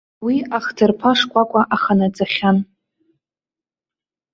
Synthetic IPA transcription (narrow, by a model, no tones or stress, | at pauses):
wiaχtʰɨrpʰaʂkʷʼakʷʼaʔaχanat͡sʼaχʲan